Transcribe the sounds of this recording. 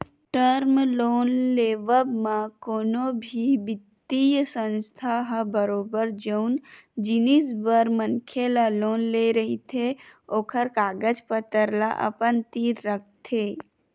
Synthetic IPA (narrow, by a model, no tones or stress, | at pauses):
ʈəɾmloːnleːʋəbmãkoːnobʱibɪt̪ːijsə̃nst̪ʰaɦbəɾoːbəɾd͡ʒəʊnd͡ʒinisbəɾmənkʰelaloːnleɾəɦit̪ʰeoːkʰəɾkaːɡəd͡ʒpət̪əɾla̰ʔə̰pənt̪iːɾːək̚ʰt̪ʰeː